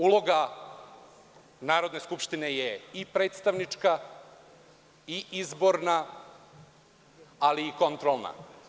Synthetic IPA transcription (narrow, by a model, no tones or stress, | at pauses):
ulˠo̞ɡa | naːɾo̞d̪ne̞skupʃt̪inejeipɾe̞ːt̪st̪aʋnit͡ʂka | iizbo̞ɾna | aliːko̞nt̪ɾo̞lˠna̰